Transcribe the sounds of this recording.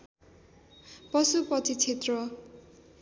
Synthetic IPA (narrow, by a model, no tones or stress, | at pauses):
pʌsupʌt͡sit͡sʰet̪rʌ